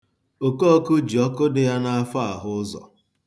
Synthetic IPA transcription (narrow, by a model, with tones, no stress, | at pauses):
o˨ko˦ɔ˦kʊ˦d͡ʒi˨ɔ˦kʊ˦dɪ˦ja˦na˦a˦fa˦a˨ɦʊ˦zɔ̰˨